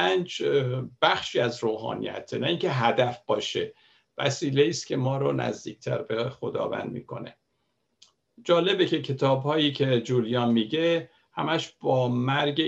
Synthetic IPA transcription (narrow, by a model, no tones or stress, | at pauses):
ænd͡ʒb̥æxʃiːæzɾoːɦɒ̰ːnḭjæ̰t̪ʰenæiŋcʰe̞ɦæd̪æfb̥ɒːʃe | væ̰siːle̞iːst̪kʲʰe̞mɒːɾonæ̰zd̪iːc̚ʰt̪ʰæ̰ɾbexod̪ɒ̰ːvæ̰nd̪mḭːkʰo̞̰ne̞̰ | d͡ʒɒːle̞becʰe̞cʰe̞t̪ʰɒːbhɒːjiːcʰe̞d͡ʒuːlijɒːnmiːɟe̞ | hæmæʃb̥ɒːmæɾɟe